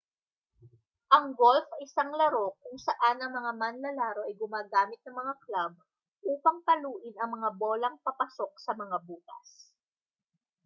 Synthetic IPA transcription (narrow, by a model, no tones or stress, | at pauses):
ʔɐŋɡolfɐʔɪsaŋlɐɾo̞kʊŋsɐʔanɐŋmɐŋamanːɐlaːɾo̞ʔɐjɡʊmaːɡaːmɪt̪̚nɐŋmɐŋaklab̚ | ʔuːpɐŋpɐluːʔɪnɐŋmɐŋaboːlɐŋpɐpɐso̞k̚sɐmɐŋabuːkɐ̰s